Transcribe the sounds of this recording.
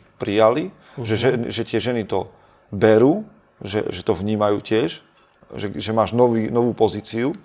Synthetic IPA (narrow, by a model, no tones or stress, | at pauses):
pɾijali | ʒɛʒɛnʒɛt̪ɪɛʒɛnit̪ɔ | bɛɾuː | ʒɛ̰ʒɛt̪ɔvɲiːmajṵːcɪɛʃ | ʒɛʒɛmaːʒnɔʋiːnɔʋuːpɔziːt͡siu